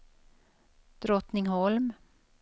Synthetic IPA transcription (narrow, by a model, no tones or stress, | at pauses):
d̪̥ɾɔt̪nɪŋhɔlm